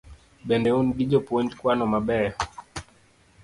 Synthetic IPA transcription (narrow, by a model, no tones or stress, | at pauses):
ɓɛndɛunɗiʄɔpuɔndkwanɔmaɓɛ